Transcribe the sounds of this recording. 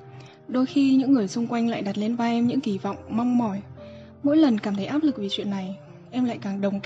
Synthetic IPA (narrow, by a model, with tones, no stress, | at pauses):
ɗo˧jxi˧ɲɨ̰˧˥ŋːɨ˨˩əjsʊ˧ŋ͡mkwa˧jŋ̟la̰ː˧˨jɗa˨˩t̚le˧nvaː˧ʔɛ˧mɲɨ̰˧˥ŋki˧˩vɔ̰˧˨wŋ͡mma˧wŋ͡mmɔ˧˩j | mo̰˧˥jlə˨˩nkaː˧˩mt̪ʰə˨˦jʔaː˦˥p̚lɨ˨˩k̚vi˨˩t͡ɕwḭ˧˨ənːa˨˩j | ʔɛ˧mla̰ː˧˨jkaː˨˩ŋɗə˨˩wŋ͡m